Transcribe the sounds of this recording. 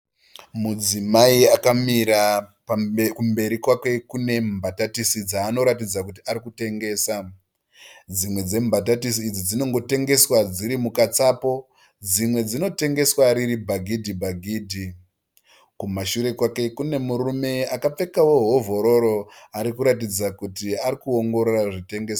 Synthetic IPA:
mud͡zimaiakamiɾa | kumbe̞ɾikwakwe̞kune̞mbʱatatisid͡zaːno̞ɾatid͡zakutiaɾikute̞ŋɡe̞ːsa | d͡zimwe̞d͡ze̞mbʱatatisiːd͡zid͡zino̞ŋɡo̞te̞ŋɡe̞swad͡ziɾimukat͡sapo̞ | d͡zimwe̞d͡zino̞te̞ŋɡe̞swaɾiɾibʱaɡʱidʱibʱaɡʱiːdʱi | kumaʃuɾe̞kwake̞kune̞muɾume̞akap͡fe̞kawo̞ɦovo̞ɾo̞ɾo̞aɾikuɾatid͡zakutiaɾikuo̞ŋɡo̞ɾoraʐite̞ŋɡe̞ːsa

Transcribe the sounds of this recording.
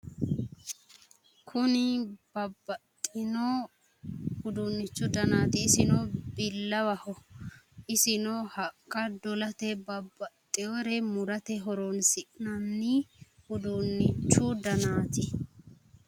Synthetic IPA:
kʰʊnɪbɐbːɐt̪ʼːɪno | hʊd̪ʊnːɪt͡ʃːʊd̪ɐnaːt̪ɪːsɪnobɪlːɐwɐhɔ | ɪsɪnɔhɐkːɐd̪ɔlɐt̪ɛbɐbːɐt̪ʼːɪɔɾɛmʊɾɐt̪ɛɦɔɾonsɪʔnɐnːɪhʊd̪ʊnːɪt͡ʃːʊd̪ɐnaːt̪ɪ

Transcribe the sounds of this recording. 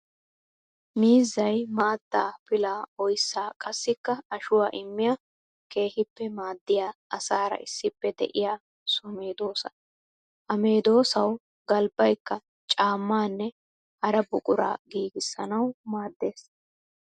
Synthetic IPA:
miːzːɐjmaːd̪ːaːpɪlaːɔjsːaːkʼɐsːɪkːɐɐʃʊwaːʔɪmːɪja | ke̞ːhɪpːɛmaːd̪ːɪjaːɐsaːɾɐ̰ʔɪsːɪpːɛd̪ɛ̰ʔɪjaː | sɔme̞ːd̪o̞ːsɐ | ʔɐme̞ːd̪o̞ːsɐw | ɡɐlbɐjkːɐ | t͡ʃʼaːmːaːnːɛ | ʔɐɾɐbʊkʼʊɾa̰ːɡiːɡɪsːɐnɐwmaːd̪ːe̞ːs

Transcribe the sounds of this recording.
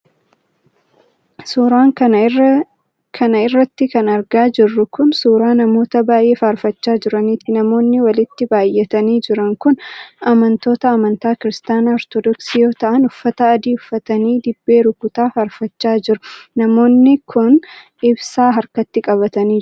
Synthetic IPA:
suːɾaːŋkɐ | kʰɐnɐɪrːɐt̪ːɪkɐnɐɾɡaːd͡ʒɪrːʊkʊnsuːɾaːnɐmo̞ːt̪ɐbaːjʔe̞ːfaːɾfɐt͡ʃːaːd͡ʒɪɾɐniːt̪ːɪnɐmo̞ːnːɪwɐlɪt̪ːɪbaːjːɛt̪ɐniːd͡ʒɪɾɐŋkʊnɐmɐnt̪o̞ːt̪ɐːmɐnt̪aːkɪɾɪst̪aːnaɔɾt̪od̪ɔksiːjo̞ːt̪ɐʔɐnʊfːɐt̪ɐːd̪iːʊfːɐt̪ɐniːd̪ɪbːe̞ːɾʊkʊt̪aːfaːɾfɐt͡ʃːaːd͡ʒɪɾʊnɐmo̞ːnːɪkʰʊn | ɪbsaːɦɐɾkɐt̪ːɪkʼɐβɐt̪ɐniː

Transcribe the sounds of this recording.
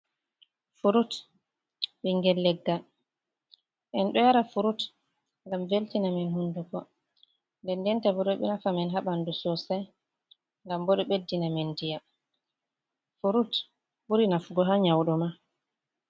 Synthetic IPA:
fuɾut | ɓɛŋɡɛlːɛɡːa | ʔɛnɗɔjaɾafuɾut | ŋɡamveltinaminhundukɔ | ndɛndɛntabɔɗɔɓɛnafamɛnɦaɓandusɔsaj | ŋɡambɔɗɔɓedːinamɛndija | fuɾut | buɾinafuɡɔɦaɲawɗɔma

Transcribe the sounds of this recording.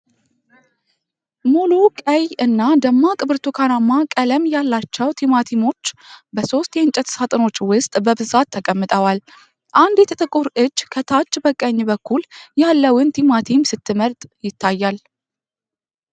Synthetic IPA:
mulukʼəjɨnːad̪əmːakʼɨbɨɾt̪ʰukʰanamːakʼələmjalːat͡ʃːɛwt̪ʰimat̪ʰimo̞t͡ʃːbəso̞st̪jɛnt͡ʃʼɛt̪sat̪ʼɨno̞t͡ʃːwʊst̪ʼbəbɨzat̪ʰːəkʼəmːɨt̪ʼəwal | ʔand̪jɛt̪ʰət̪ʼɨkʼuɾʔɨd͡ʒːkʰət̪ʰat͡ʃːbəkʼːəɲːbəkʰːuljalːəwɨnt̪ʰimat̪ʰimsɨt̪ʰːɨməɾt̪ʼjɪt̪ʰːajːal

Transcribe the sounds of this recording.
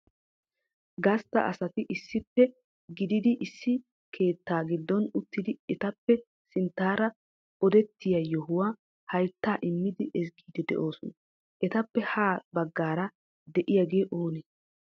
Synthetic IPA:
ɡɐst̪ːɐ̰ʔɐ̰sɐt̪ɪʔɪsːɪpːɛ | ɡɪd̪ɪd̪ɪʔɪsːɪ | kʰe̞ːt̪ːaːɡɪd̪ːɔnʊt̪ːɪd̪ɪɛt̪ɐpːɛ | sɪnt̪ːaːɾɐ | ɔd̪ɛt̪ːɪjɐjɔhʊwaː | hɐjt̪ːaːʔɪmːɪd̪ɪʔɛsɡiːd̪ɛd̪ɛ̰ʔo̞ːsɔnɐ | ʔɛt̪ɐpːɛhaːbɐɡːaːɾɐ | d̪ɛʔɪjaɡeːʔoːneː

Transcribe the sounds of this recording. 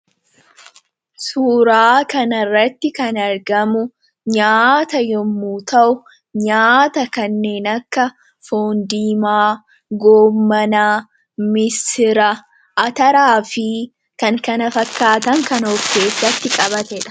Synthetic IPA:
suːɾaːkɐnɐrːɐt̪ːɪkɐnɐɾɡɐmʊ | ɲaːt̪ɐjɔmːuːt̪ɐʔʊ | ɲaːt̪ɐkɐnːe̞ːnɐkːɐ | foːnd̪iːmaː | ɡoːmːɐnaː | mɪsɪɾɐ | ʔɐt̪ɐɾaːfɪ | kɐŋkɐnɐfɐkːaːt̪ɐŋkɐnɔkːe̞ːsːɐt̪ːɪkʼɐβɐt̪ɛᶑɐ̥

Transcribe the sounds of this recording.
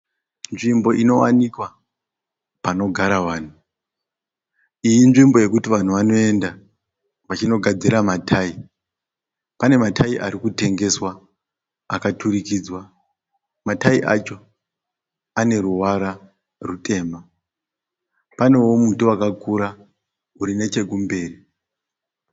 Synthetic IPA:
nʐimbo̞ʔino̞wa̰nikwa | pano̞ɡʱaɾaʋaːn̤u | ijinʐimbo̞je̞kutiʋan̤uʋano̞e̞nda | ʋat͡ʃino̞ɡʱad͡ziɾamatʰai | pane̞matʰaiʔaɾikute̞ŋɡe̞swa | akatʰuɾikid͡zwa | mataiʔa̰t͡ʃo̞ | ane̞ɾuwaɾa | rute̞ːma | pane̞wo̞mutuakakʰuɾa | uɾine̞t͡ʃe̞ɡumbe̞ːri

